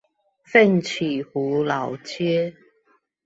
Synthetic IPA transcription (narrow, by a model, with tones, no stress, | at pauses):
fɛ˥˨nt͡ɕʰi˨˩hu˨˦la˨˦wt͡ɕjɛ˦